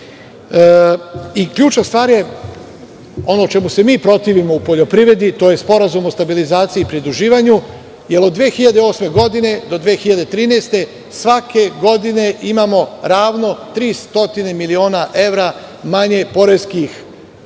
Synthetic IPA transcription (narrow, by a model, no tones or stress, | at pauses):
ikʎuːt͡ʃnast̪ʋaːɾje̞ | o̞no̞t͡ʃe̞muse̞miːpɾo̞t̪iʋimo̞upo̞ʎo̞pɾiʋɾe̞d̪it̪o̞ːje̞spo̞ɾazumo̞st̪abilizaːt̪siːpɾid̪ɾuʒiːʋaɲu | jelo̞d̪ːʋeːxiʎad̪eo̞ːsme̞ɡo̞d̪ine̞d̪o̞d̪ʋeːxiʎad̪et̪ɾiːnest̪e̞ | sʋake̞ɡo̞d̪ine̞ʔimamo̞ɾaːʋno̞t̪ɾiːst̪o̞t̪ine̞milio̞ːnaʔe̞ʋɾamaɲe̞po̞ɾe̞skix